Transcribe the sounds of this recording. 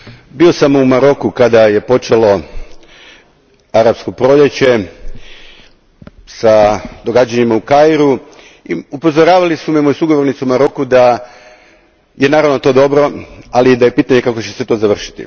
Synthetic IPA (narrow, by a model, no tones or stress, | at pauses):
bio̞samumaɾo̞kukad̪aje̞po̞t͡ʃe̞lo̞ | aɾapskopɾo̞ʎe̞t͡ɕe̞ | sad̪o̞ɡaːd͡ʑaɲimaukajɾu | iupo̞zo̞ɾaːʋalisumiemojusuɡo̞ʋo̞ɾnit̪suumaɾo̞kud̪a | je̞naːɾaʋno̞t̪o̞d̪o̞bɾo̞alid̪aje̞piːt̪aɲe̞kakot͡ɕe̞set̪o̞zaʋr̩ʃi̥t̪ḭ